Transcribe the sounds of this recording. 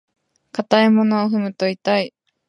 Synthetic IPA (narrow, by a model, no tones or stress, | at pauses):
kat̪aemo̞noːɦɯ̟mɯ̟t̪o̞it̪ai